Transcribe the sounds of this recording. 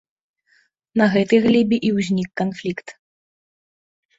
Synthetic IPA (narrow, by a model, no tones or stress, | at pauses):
nɐɣɛt̪ɨjɣlʲibʲiʔiwzʲnʲikːanflʲikt̪